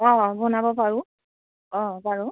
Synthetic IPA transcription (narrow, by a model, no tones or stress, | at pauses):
ɔ̃bɔnabɔpaɹʊ | ɔ̃baɹu